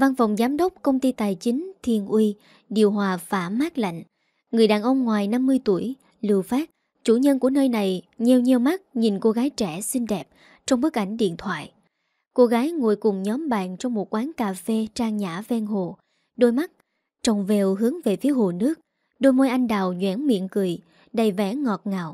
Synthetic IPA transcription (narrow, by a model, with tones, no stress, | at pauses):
va˧nfɔ˨˩wŋ͡mzaː˨˦mɗə˦˥p̚kə˧wŋ͡mt̪i˧t̪aː˨˩jt͡ɕï˨˦ŋ̟t̪ʰi˧˩ənʔwi˧ | ɗi˨˩əwɦwaː˨˩faː˧˩maː˦˥k̚la̰˧˨jŋ̟ | ŋɨ˨˩əjɗaː˨˩nʔə˧wŋ͡mŋwaː˨˩jna˧mːɨ˧əjt̪u˧˩əj | lɨ˧˨əwfaː˦˥t̚ | t͡ɕu˧˩ɲə˧nku˧˩ənəː˧jna˨˩j | ɲɛ˨˩wɲi˨˩əwma˦˥t̚ɲi˨˩nko˧ɣaː˨˦jt͡ɕɛ˧˩si˧ŋ̟ɗɛ˨˩p̚ | t͡ɕɔ˧wŋ͡mɓɨ˦˥ək̚ʔa˧˩jŋ̟ɗḭ˧˨ənt̪ʰwa̰ː˧˨j | ko˧ɣaː˨˦jŋṵ˧˩əjkʊ˨˩ŋ͡mɲɔ˨˦mɓa̰ː˧˨nt͡ɕɔ˧wŋ͡mmo˨˩t̚kwaː˨˦nkaː˨˩fe˧t͡ɕaː˧ŋɲaː˧˩vɛ˧nɦo˨˩ | ɗo˧jma˦˥t̚ | t͡ɕɔ˨˩wŋ͡mve˨˩wɦɨ˨˦əŋve˨˩fi˨˦əɦo˨˩nɨ˦˥ək̚ | ɗo˧jmo˧jʔa˧jŋ̟ɗaː˨˩wɲwɛ̰˧˥nmḭ˧˨ənkɨ˨˩j | ɗə˨˩jvɛ˨˧˦ŋɔ˨˩t̚ŋaː˨˩w